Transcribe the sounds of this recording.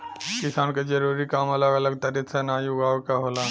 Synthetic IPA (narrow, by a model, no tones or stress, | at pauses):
kɪsaːnked͡ʒɐɾuːɾikaːmɐləɡɐləɡ̚t̪ɐɾit̪ʰsenaːjuɡaːʋkaɦoːlaː